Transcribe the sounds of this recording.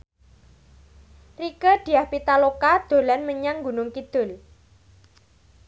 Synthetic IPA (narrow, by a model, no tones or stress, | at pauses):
rikəd̪̥i̤ahpit̪alokad̪̥o̤lanməɲaŋɡunʊŋkid̪̥ʊ̤l